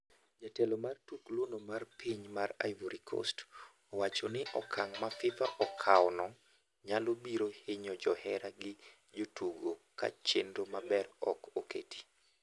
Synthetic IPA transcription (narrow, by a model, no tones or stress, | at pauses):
d͡ʒatɛlomartuklwonomarpʰiɲmara̰jvoɾikʰɔ̰st | ɔwat͡ʃɔnɪʔɔkʰaŋmafɪfaʔɔkʰawnɔ | ɲalobiɾohɪɲɔd͡ʒɔhɛɾaɡɪ | d͡ʒotuɡoka̰t͡ʃendomabɛrɔ̰kokḛtʰi̥